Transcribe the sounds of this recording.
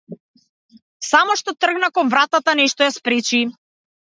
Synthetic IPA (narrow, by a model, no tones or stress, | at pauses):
samɔʃt̪ɔt̪r̩ɡnakɔnvɾat̪at̪anɛʃt̪ɔjaspɾɛt͡ʃi